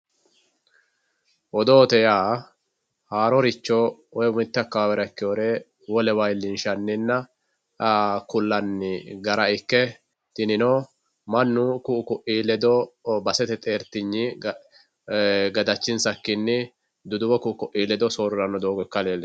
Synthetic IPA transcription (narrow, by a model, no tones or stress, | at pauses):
ʔɔd̪oːt̪ɛjaː | haːɾɔɾɪt͡ʃːɔɔjmɪt̪ːɐkːɐawɛɾɐkːɪoːɾeː | wɔlɛwɐjlɪnʃɐnːɪnːɐ | kʊlːɐnːɪɡɐɾɐɪkːɛ | t̪ɪnɪnoː | mɐnːʊkʊʊkʊʔiːlɛd̪ɔbɐsɛt̪ɛt̪ʼe̞ːɾt̪ɪɲːi | ɡɐd̪ɐt͡ʃːɪnsɐkːɪnːɪ | d̪ʊd̪ʊwɔkʊʔʊkʊʔiːlɛd̪ɔsoːɾʊɾɐnːɔd̪oːɡɔkːɐleːlːɛ